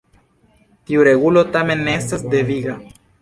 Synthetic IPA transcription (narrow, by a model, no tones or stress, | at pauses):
t̪iuɾeɣulot̪amenːest̪azd̪eviɣa